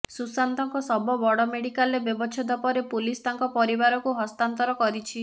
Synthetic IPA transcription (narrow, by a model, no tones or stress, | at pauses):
susant̪ɔŋkɔsɔbɔbɔɽɔmeɽikalebjɔbɔt͡ʃʰɔd̪ɔpɔɾepulist̪aŋkɔpɔɾibaɾɔkuɦɔst̪ant̪ɔɾɔkɔɾit͡ʃʰi